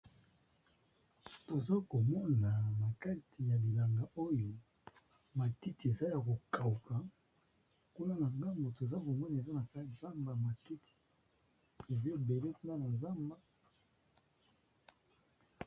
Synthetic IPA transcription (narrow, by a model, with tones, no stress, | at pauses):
to˨za˦ko˨mɔ˦na˨na˨ka˦tʰi˨ja˨bi˨la˨ŋɡa˨ʔo˦jo˨ | ma˨ti˦ti˨e˨za˦ja˨ko˨ka˨u˨ka˨ | ku˦na˦na˨ŋɡa˦mbo˨to˨e˨za˦ko˨mɔ˦na˨e˨za˦na˨ka˦i˨za˦mba˨ma˨ti˦tʰi̥˨ | e˨za˦˨be˨le˦ku˦na˦na˨za˦mba˦